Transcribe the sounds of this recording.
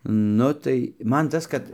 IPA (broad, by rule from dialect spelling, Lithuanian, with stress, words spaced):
ˈnʊ tɐɪ ˈmɐn ˈtɐs kɐt